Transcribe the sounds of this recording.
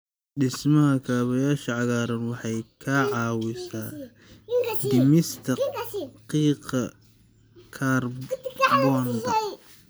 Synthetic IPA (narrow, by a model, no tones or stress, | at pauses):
ɖɪsmɐhɐkʰaːβɐjaːʃɐʕɑɣaːɾɐnwɑħɑjkʰaʕɑːwɪsaː | d̪ɪmɪst̪ʰɐqiːqɐ | kʰaːrbɔnd̪ɐ